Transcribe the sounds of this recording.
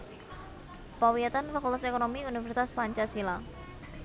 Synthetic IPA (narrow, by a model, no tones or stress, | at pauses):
pawiat̪anfakult̪asekonomiunifɛrsi̥t̪aspaɲt͡ʃasila